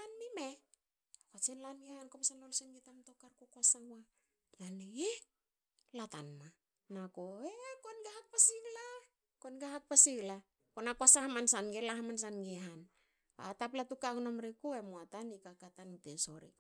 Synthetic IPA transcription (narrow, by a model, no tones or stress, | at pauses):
anmime | akwat͡ʃenlanɡehankomasanlolsenɡetamto̞kaɾkokwasawa | lanee | latanma | nakoekonɡahak̚pasiɡla | konɡaɦak̚pasiɡla | konakwasahamansanɡelaɦamans̬anɡeɦan | ba̰taplatukaknomɾekue̞moatanikakataniteso̞̰ɾḭk